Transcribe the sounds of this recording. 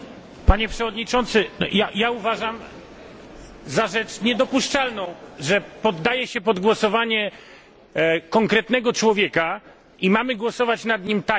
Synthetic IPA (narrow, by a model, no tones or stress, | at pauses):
paɲɛpʂɛvɔd̪ɲit͡ʂɔnt̪sɘnɔ̰jajauvaʐam | zaʐɛt͡ʂɲɛd̪ɔpuʂt͡ʂalnɔ̃w̃ʐɛpɔd̪ːajɛɕɛpɔd̪ɡwɔsɔvaɲɛ | kɔŋkɾɛt̪nɛɡɔt͡ʂwɔvʲjɛka | imamɘɡwɔsɔvat͡ɕnad̪ɲimt̪a